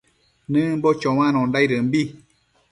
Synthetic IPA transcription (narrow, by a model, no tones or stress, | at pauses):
nɨ̃mbot͡ʃõw̃ãñõndajɾɨmbi